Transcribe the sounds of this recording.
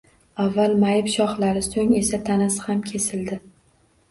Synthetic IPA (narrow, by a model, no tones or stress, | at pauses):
avːalˠmajɪpʃɒχlaɾɪsoŋe̞sat̪ʰanashamkʲʰe̞sɪld̪ɪ